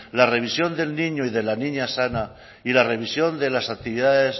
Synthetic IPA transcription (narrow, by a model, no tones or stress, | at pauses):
lare̞β̞isjond̪e̞lniɲoiðe̞lanĩɲasana | ilare̞β̞isjo̞nd̪e̞lasak̚t̪iβiðaðes